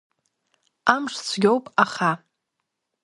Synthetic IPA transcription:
amʂt͡sʷʰɡʲo̞wpʼaχa

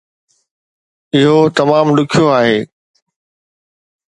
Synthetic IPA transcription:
ɪɦot̪ɐmaːmɗʊkʰijoaːɦeː

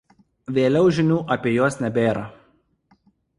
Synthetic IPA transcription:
ʋʲeːlʲɛʊʒʲɪnʲuːʔɐpʲiːjoɔsnʲɛbʲeːɾɐ

